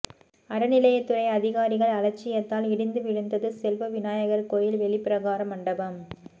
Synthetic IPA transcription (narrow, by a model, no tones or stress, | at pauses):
ɐɾɐnɪlɐjɐt̪ːɯɾɐɪɐðɪɣaːɾɪɣɐɭɐlɐt͡ʃːɪjɐt̪ːaːlɪɽɪnd̪ɯʋɪɻɯnd̪ɐðɯsɛlʋɐʋɪnaːjɐɣɐrkoːjɪlʋɛɭɪpɪɾɐɣaːɾɐmɐɳɖɐʋɐm